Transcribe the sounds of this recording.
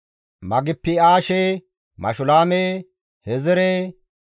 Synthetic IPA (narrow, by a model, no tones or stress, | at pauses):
mɐɡɪpːɪaːʃɛ | mɐ̰ʃʊlaːmeː | hɛzɛɾɛ